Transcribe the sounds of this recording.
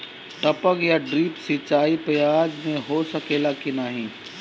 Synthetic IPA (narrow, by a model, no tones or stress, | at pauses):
ʈəpəkjaɖɾiːpsɪt͡ʃaːipɐjaːd͡ʒmẽɦoːsɐkeːlakinaːɦĩː